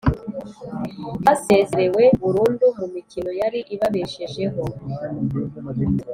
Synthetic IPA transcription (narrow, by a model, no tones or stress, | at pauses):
hase̞ːzeɾe̞we̞βuɾuːndumumicino̞jaɾiʔiβaβeʃeʒe̞ɦo̞